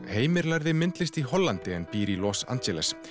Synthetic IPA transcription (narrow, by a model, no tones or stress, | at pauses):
heːjmɪɾlaɾðɪmɪnt̪lɪst̪iɦɔlːant̪ɪɛnpiːɾilɔːsa̰nt͡ɕɛlɛs